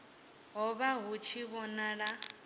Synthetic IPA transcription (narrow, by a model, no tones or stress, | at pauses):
ɦɔβaɦut͡ʃʰiβɔnaɺa